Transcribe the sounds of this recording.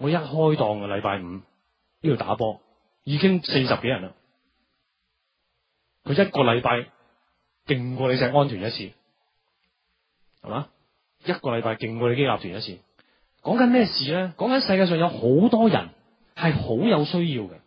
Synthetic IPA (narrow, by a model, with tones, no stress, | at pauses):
ŋɔː˨˧jɐ˥t̚hɔː˥jt̪ɔː˧ŋɐ˧lɐ˨˧jpaː˧jm̩˨˧ | iː˥o˨˩t̪a̰ː˨˥pɔː˧ | jiː˨˧˥kɪ˥ŋse˧jsɐ˨p̚ke˨˥jɐ˨˩nɐ˨ | kʰɵ˨˧jɐ˥t̚kɔː˧lɐ˨˧jpaː˧j | kɪ˨ŋkʷɔː˧le˨˧js̬ɛː˧˥kŋɔː˥nt̪ʰyː˨˩njɐ˥t̚t͡sʰḭː˧ | hɐ̰˨maː˨˧˥ | jɐ˥t̚kɔː˧lɐ˨˧jpaː˧jkɪ˨ŋkʷwɔː˧le˨˧ke˥laː˧p̚t̪ʰyː˨˩njɐ˥t̚t͡sʰiː˧ | kɔː˨˥ŋkɐ˨˥nmɛː˥˩siː˨lɛː˥kɔː˨˥ŋkɐ˨˥nsɐ˧jkaː˧sœː˨ŋjɐ˨˧who˨˥wt̪ɔː˥jɐ̰˨˩n | hɐ˨jho˨˥wjɐ˨˧wsɵ˥ɥjiː˧wkɐ˧